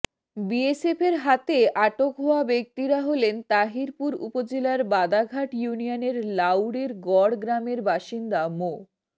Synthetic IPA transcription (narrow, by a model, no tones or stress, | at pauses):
biesefeɾɦat̪eʔaʈokɦoabek̚t̪iɾaɦolent̪aɦiɾpuɾṵpod͡ʑelaɾbad̪aɡʱaʈjunijoneɾlawɽeɾɡɔɽɡɾameɾbaʃind̪amo